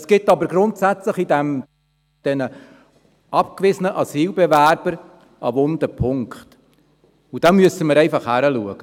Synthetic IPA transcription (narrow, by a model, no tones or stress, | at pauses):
sɡ̥ɪtːɑbəɾɡɾʊntsæt͡sləχid̪ɛm | d̥ɛnə | ʔɑpkvɪzənəʔɑsiːlbevæɾb̥əɾ | ʔɑʋʊnd̪əpʰʊŋkχt | ud̥ɛmmyəsəməɾɛɪfɑχhæɾəluəɡ̥ə